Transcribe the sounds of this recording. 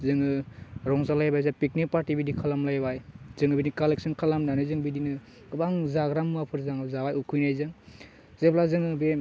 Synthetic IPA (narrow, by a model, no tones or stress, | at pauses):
zɯŋɯɾɔŋzalajbajzapik̚nik̚paɾtibidikʰalamlajbajzɯŋɯbinikalek̚sɯnkʰalamnanɯzɯŋbidinɯ | ɡɯbaŋzaɡɾamːapʰɯɾzaŋɯzabajukʰujnajzɯŋ | z̥eplazɯŋɯbe